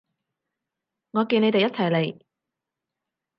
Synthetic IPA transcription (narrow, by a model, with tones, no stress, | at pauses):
ŋɔː˨˧kiː˧ne˨˧jt̪e˨jɐ˥t̚t͡sʰɐ˨˩jle˨˧j